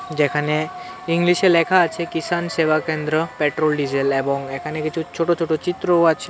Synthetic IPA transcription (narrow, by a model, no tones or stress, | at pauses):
d͡ʑekʰane | iŋliʃeɾlɛkʰaːt͡ɕʰekisansebakend̪ɾɔpeʈɾolɖid͡ʑelebɔŋekʰanekit͡ʃʰut͡ɕʰoʈot͡ʃʰoʈot͡ɕit̪ːɾoat͡ɕʰe